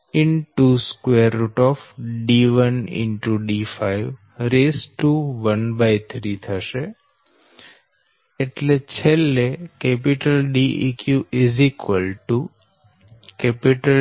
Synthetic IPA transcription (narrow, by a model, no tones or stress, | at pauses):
ɪnʈuskweəɾːuʈɔfɖiʋənɪ̰ɳʈuɖifaiʋ | ɾesʈuʋənbajt̪ʰɾit̪ʰəʃe | ʈlet͡ʃʰelːekɛpiʈəlɖiʔikjuɪzikʋəlʈu | kɛpiʈəl